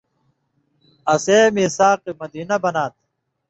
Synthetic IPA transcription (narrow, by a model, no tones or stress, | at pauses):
ɐseːmisaːqimɐd̪iːnɐbɐnaːt̪̚